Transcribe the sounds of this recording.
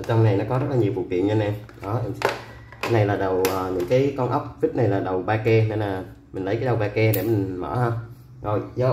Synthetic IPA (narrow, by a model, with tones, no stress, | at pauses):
t͡ɕɔ˧wŋ͡mna˨˩jnɔ˨˦kɔ˨˦zə˦˥t̚laː˨˩ɲi˨˩əfk̚t̪ḭ˧˨ənɲə˧nɛ˧mɗɔ˨˦˧ | na˧˩jlaː˨˩ɗə˨˩wʔəː˨˩ɲɨ̰˧˥ŋkaː˨˦jkɔ˧nʔə˦˥wk͡p̚vi˦˥t̚na˨˩jlaː˨˩ɗə˨˩wɓaː˧kɛ˧ne˧nlaː˨˩ | mï˨˩ŋ̟lə˨˦jka˨˦ɗə˨˩wɓaː˧kɛ˧ɗe˧˩mï˨˩ŋ̟mə̰ː˧˥hə˧wŋ͡m | zo˨˩jzə˨˧˦